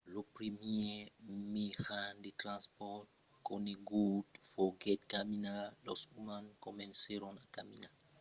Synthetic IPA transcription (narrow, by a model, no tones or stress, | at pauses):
lopɾimjemixand̪it̪ɾãnspɔt̚ | koneɡut̪foɡɛt̪̚kaminalosumankomẽnseɾonakamina